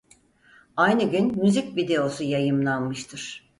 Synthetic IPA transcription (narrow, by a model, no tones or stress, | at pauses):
ajnɯɟynmyzicvid̪e̞o̞sujajɯmlˠanmɯʃt̪ʰɯɾ̥